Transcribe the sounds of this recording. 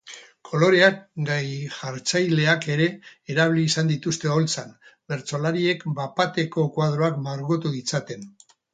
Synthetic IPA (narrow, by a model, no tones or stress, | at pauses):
kʰo̞lo̞ɾe̞akɡajʝaɾt͡sajle̞ake̞ɾe̞ːɾaβliːsand̪it̪ust̪e̞o̞lt͡sanbe̞ɾt͡so̞laɾie̞kbapat̪e̞ko̞kwað̞ɾoakmaɾɣot̪uðit͡sat̪e̞n